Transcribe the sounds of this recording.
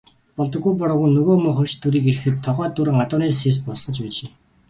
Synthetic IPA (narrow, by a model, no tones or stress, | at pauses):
pɔɮt̪ɞ̆ɡːujp̬ɔɾɔ̆ːɣunɵɣoːmʊːχɵrʲt͡ɕt̪ʰɵɾiːkeɾɘ̆xɘ̆t̪ʰːɔʁœːt̪ːuɾ̆ɴat̪ʊːniːs̬es̬pɔsχə̆t͡ɕpit͡ɕeː